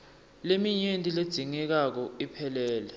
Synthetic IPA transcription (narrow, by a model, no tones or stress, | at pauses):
lemiɲentʼiled̥z̥ʱiŋɛk̬ak̬ɔipʰɛlɛːlɛ